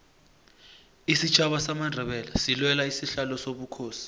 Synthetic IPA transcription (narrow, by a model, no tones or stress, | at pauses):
isit͡ʃʰaɓasamandʱɛɓɛlasilwɛlaisiɬalɔsoɓukʰoːsi̥